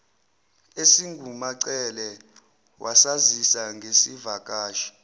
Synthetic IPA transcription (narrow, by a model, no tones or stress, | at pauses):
esiŋɡʱumaǀɛlɛ | wʔasazisaŋɡʱesivakʼaːʃi̥